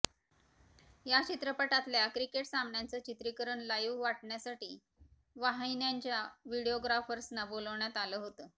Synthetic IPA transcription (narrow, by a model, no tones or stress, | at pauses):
jat͡ɕit̪ɾəpəʈat̪ljakɾikeʈsamnjant͡sət͡ɕit̪ɾikəɾəɳlajuʋʋaʈɳjasaʈiː | ʋaɦajnjaɲt͡ɕjaʋiɽioɡɾafəɾsnaboləʋɳjat̪aləːɦot̪ə